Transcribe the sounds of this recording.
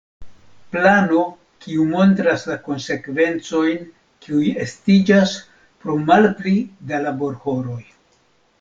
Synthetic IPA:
plano̞ | kiumo̞nt̪ɾaslako̞nse̞kve̞nt͡so̞jn | kiuje̞stid͡ʒas | pɾomalplidalabo̞ɾho̞ɾo̞j

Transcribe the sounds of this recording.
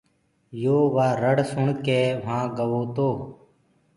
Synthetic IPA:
joːʋaːɾəɽsʊɳkeːʋ̤ãːɡəʋoːt̪oː

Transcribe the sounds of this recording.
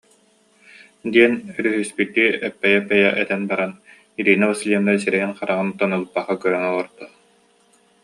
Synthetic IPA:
d̪iɛnyɾyɦyspit̪ːiːɛpːɛjɛpːɛjɛʔɛt̪ɛnbaɾan | iɾiːnabasliɛnd̪as̬iɾɛjinqaɾaʁɯnt̪ɔnɯlˠɯpːaχakœɾœŋɔlˠɔɾd̪a

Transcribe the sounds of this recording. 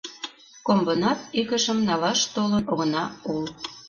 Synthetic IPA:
kombonɑt̪̚ikə̆ʃə̆mnɑlɑʃt̪olənoɣə̆nɑol

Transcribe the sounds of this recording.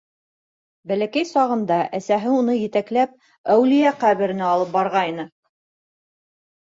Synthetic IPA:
bælækæjsɑʁɤ̆nd̪ɑʔæsæɦɘunɤjɘ̆t̪æklæp̚ | æwlɘ̆jæqæβɘ̆ɾɘ̆næɑlˠɤp̚bɑɾʁɑjnɤ

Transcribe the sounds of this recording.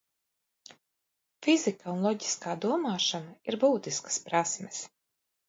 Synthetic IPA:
fʲizikaunlˠɔɟʲi̥skaːd̪uɔmaːʃanaiɾbuːt̪iskḁspɾasmʲɛs

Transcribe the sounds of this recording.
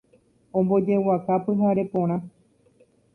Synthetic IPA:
õmbo̞d͡ʒe̞wakapɨɦaɾe̞põɾ̃ã

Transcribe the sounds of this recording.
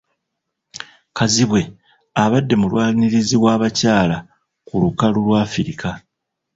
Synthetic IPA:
kaziβwe̞ | aβadːe̞mulwaːniɾiziβwaːβacaːla | kulukalulwaːfiɾika

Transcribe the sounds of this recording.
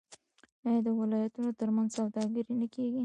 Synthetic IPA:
jɑjd̪əwɪlɑjat̪unot̪əɾmanzsawd̪ɑɡəɾinakeɡi

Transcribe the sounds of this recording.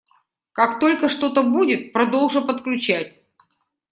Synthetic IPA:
kakt̪o̞lʲkəʂt̪o̞t̪əbudʲɪt̪̚pɾɐd̪o̞lˠʐɨpət̪klʲʉt͡ɕætʲ

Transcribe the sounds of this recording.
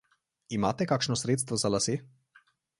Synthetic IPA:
imaːt̪ɛkaːkʃnɔsɾeːt̪st̪ʋɔzalase

